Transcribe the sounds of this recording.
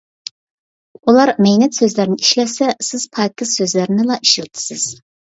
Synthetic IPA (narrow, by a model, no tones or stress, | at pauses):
ulˠɑɾmɛjnɛt̪søzlæɾnɪiʃlɛsɛsɪz̥pʰɑjkɪsøzlæɾnɪlˠɑʔiʃilt̪ʰɨ̥sɪz̥